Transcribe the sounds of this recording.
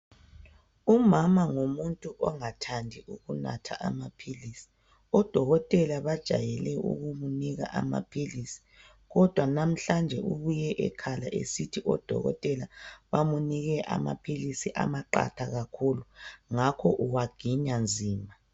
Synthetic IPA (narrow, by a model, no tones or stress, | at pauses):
umamaŋumuntʼuʔɔŋatʰandʱiuɣuna̰tʰa̰ʔamapʰilisi̥ | ɔd̥ʱɔɣɔtʼɛlaβad̥ʒ̥ʱajɛlɛṵɣumuniɣa̰ʔama̰pʰilisi̥ | ɣɔd̥ʱwanam̩ɬand͡ʒʱɛʔuβujɛʔɛ̰kʰalaʔḛsitʰiʔɔd̥ʱɔ̰ɣɔ̰tʼɛlaβamuniɣɛʔa̰ma̰pʰilisiʔa̰maǃa̰tʰaɣakʰuluŋakʰɔʔuwaɡ̥ʱiɲand͡zʱiːma